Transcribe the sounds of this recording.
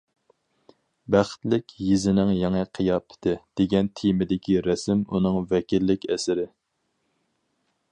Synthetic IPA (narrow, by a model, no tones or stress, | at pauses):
bæχt̪lɪkʲjizɪnɪŋjɛŋɨqʰijɑpʰɪ̥t̪ɪd̪̥eɡʲɛnt̪ʰijmɪd̪ɪkʲiɾɛsɪmunɨŋvɛkʲilːɪkʲɛsɪɾɪ